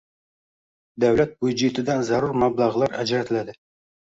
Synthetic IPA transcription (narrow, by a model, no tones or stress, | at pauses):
d̪awlat̪̚bud͡ʒet̪ʰɪd̪anzaɾuɾmablˠɑʁlˠɑɾæd͡ʒɾæt̪ʰɪlad̪ɪ